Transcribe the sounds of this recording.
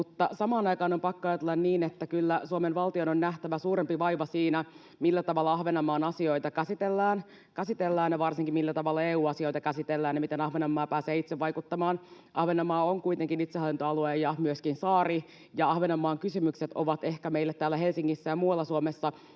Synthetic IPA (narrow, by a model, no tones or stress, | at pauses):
mut̪ːɑsɑmɑːnɑjkɑːno̞mpɑkːoɑjɑt̪elːɑnniːnet̪ːækylːæsuomenʋɑlt̪iononnæht̪æʋæsuːɾempiʋɑjʋɑsiːnæ | milːæt̪ɑʋɑlːɑɑhʋenɑmɑːnɑsio̞jt̪ɑkæsit̪elːæːn | kæsit̪elːæːnjeʋɑrsiŋkimmilːæt̪ɑʋɑlːɑeːuːɑsio̞jt̪ɑkæsit̪elːæːnjeɑmit̪enɑhʋenɑmːɑːpæːseːit̪seʋʋɑjkut̪ːɑmɑːn | ʔɑhʋenɑmɑːoŋkujt̪e̞ŋkinit̪sehɑlːint̪oɑlueːjɑmyøskinsɑːri | jɑɑhʋenɑmːɑːŋkysymykset̪oʋɑt̪e̞hkæme̞ilːet̪t̪ːæːlːæɦe̞lsiŋːisːæjɑmuːɑlːɑsuomesːɑ